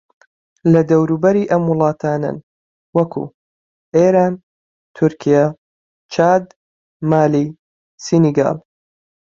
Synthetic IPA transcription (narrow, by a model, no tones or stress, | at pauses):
lɐd̪ɐwɾuːbɐɾiːʔɐmwʊlˠɑːt̪ʰaːnɐ̰n | wɐkʰṵ | ʔeːɾaːn | t̪ʰʊɾkʰija | t͡ʃʰaːd̪ | maːli | siniɡa̰ːl